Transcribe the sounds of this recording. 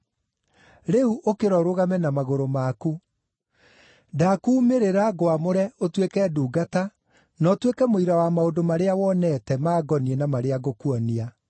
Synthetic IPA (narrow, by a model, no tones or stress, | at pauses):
ɾeuʔokeɾɔɾoɣamɛnamaɣoɾomaku | dakuːmeɾeɾaɡoamoɾɛotwekɛduːɡata | nɔtwekɛmoiɾawamaodomaɾeawɔnɛtɛmaːɡɔniɛnamaɾeaɣokuɔnia